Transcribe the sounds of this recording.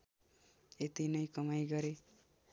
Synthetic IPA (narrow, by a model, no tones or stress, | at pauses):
et̪inʌjkʌmajɡʌɾe